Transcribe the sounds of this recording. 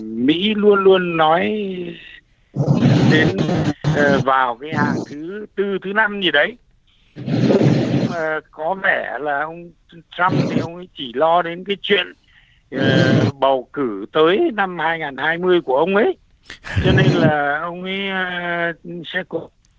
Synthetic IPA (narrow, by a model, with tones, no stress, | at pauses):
mḭ˧˥lu˧ənlu˧ənːɔ˨˦j | ɗe˨˦nː˨˩ | vaː˨˩wkaː˨˦jhaː˨˩ŋt̪ʰɨ˨˦t̪ɨ˧t̪ʰɨ˨˦na˧mzi˨˩ɗə˨˦j | ŋ͡maː˨˩kɔ˨˦vɛ˧˩laː˨˩ʔə˧wŋ͡m | t̪ɹa˧mt̪ʰi˨˩ʔə˧wŋ͡mʔə˨˦jt͡ɕi˧˩lɔ˧ɗe˨˦nkaː˨˦jt͡ɕwḭ˧˨ənː˨˩ | ɓə˨˩wkɨ˧˩t̪əː˨˦jna˧mhaː˧jŋaː˨˩nhaː˧jmɨ˧əjku˧˩əʔə˧wŋ͡mʔə˨˦j | t͡ɕɔ˧ne˧nlaː˨˩ʔə˧wŋ͡mʔə˨˦˧ | sɛ̰˧˥kɔ˧˦